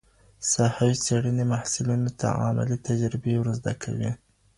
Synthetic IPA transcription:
sahawiseɽənemahsɪlunot̪ʰa̰a̰ma̰lit̪ad͡ʒɾɪbewɾəzd̪akʰa̰wi

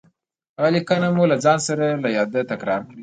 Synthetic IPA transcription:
alikanamulazɑnsaɾalajɑd̪at̪akɾɑ̰ɾkɽi

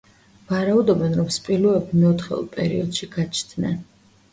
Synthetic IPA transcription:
vaɾaud̪ɔbɛnɾɔmspʼiluɛbimɛɔt̪χɛ̰lˠpʼɛ̰ɾḭɔd̪ʃiɡat͡ʃʰd̪ʰnɛ̰n

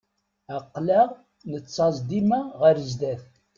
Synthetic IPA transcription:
æqːlæʁ | nət͡sːɑzˤd̪imaʁəɾəzd̪æθ

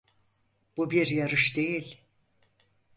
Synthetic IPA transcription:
b̥ubiɾjaɾɯʃd̪e̞jilʲ

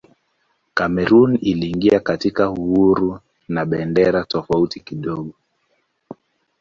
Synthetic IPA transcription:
kamɛɾuniliːŋɡiakatikahuhuɾu | naɓɛndɛɾatɔfautikiɗɔɠɔ

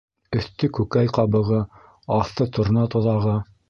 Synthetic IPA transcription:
ɵ̆θt̪ɵkʉkæjqɑβɤ̆ʁɤ | ɑθɤt̪ŏɾ̆nɑt̪ŏðɑʁɤ

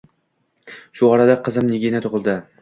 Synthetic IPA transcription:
ʃʊɒɾad̪aqʰɨzɪmnɪɡʲinat̪ʰʊʁɨlˠd̪ɪ

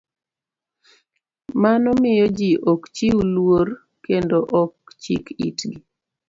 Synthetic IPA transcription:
manɔmɪjɔd͡ʒiʔɔkt͡ʃiwulwor | kendoʔɔkt͡ʃḭkḭtɡi

